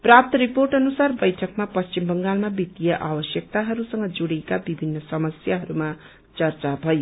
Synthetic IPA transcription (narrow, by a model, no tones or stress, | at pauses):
prap̚t̪ʌɾiporʈʌnusarbʌjʈʰʌkmapʌst͡ʃimbʌŋɡalmabit̪ːijʌʔabʌsjʌk̚t̪aɦʌɾusʌŋɡʌd͡zuɽikabibʱinːʌsʌmʌsjaɦʌɾuma | t͡sʌrt͡sabʱʌjo